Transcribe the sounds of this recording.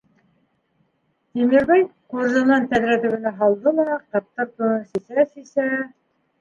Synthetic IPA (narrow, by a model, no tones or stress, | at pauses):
t̪imiɾbæjquɾzɤ̆nɑnt̪æðɾæt̪ɘ̆ɡɘ̆næɦɑlˠd̪ɤlˠɑqɑp̚t̪ːɤɾt̪unsisæsisæ